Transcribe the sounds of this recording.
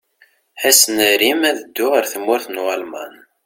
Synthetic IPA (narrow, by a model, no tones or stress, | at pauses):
æsənəɾimæðəd̪ːʊʁəɾθəmːʊɾθnʁalmɑ̰n